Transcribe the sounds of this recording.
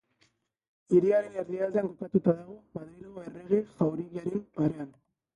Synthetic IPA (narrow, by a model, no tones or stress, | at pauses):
iɾiaɾe̞ne̞ɾðiald̪e̞aŋkokat̪ut̪aðaɣ̞omaðɾiloɣoe̞re̞ɣ̞eʝawɾiɣaɾempaɾean